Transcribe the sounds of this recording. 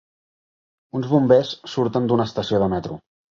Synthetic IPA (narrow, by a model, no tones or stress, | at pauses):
unzβumbesːuɾt̪ənd̪unəːst̪əsioðəmɛt̪ɾu